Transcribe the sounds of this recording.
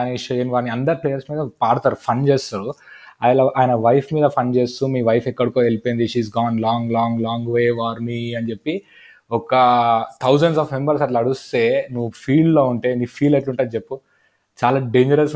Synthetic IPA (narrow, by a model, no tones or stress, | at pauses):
niʃɐɐnʋaːɾniɐnd̪ɐɾpleːjɐɾsmiːd̪ɐpaːɽt̪aːɾupʰɐnt͡ʃeːst̪aːɾuaːjɐlaʔaːjɐnɐʋɐjpʰmiːd̪ɐpʰɐnt͡ʃeːst̪umiːʋɐjpʰɛkːɐɽukoːelpojnd̪iʃiːzɡaːnlaːŋɡlaːŋɡlaːŋɡʋeːʋaːɾmiɐnd͡ʒepːi | ɔkɐt̪ʰɐwzɐɳɖs̬aːfmembɐɾsɐʈlɐɽust̪e̞ːnuʋːupʰiːɖloːuɳʈe̞ːniːpʰiːlɐʈluɳʈaːd̪t͡ʃepːu | t͡ʃaːlaːɖeːɲd͡ʒɐɾɐs